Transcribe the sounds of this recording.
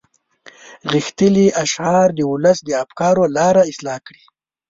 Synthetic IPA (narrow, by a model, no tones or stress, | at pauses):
ɣixt̪əliʔaʃʕɑɾd̪əʊləsd̪əafkɑɾolɑɾaɪslɑkɽi